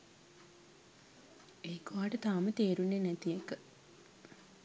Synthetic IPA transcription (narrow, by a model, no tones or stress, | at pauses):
eːkoʋaːʈət̪aːmət̪eːɾunːenæt̪ijekə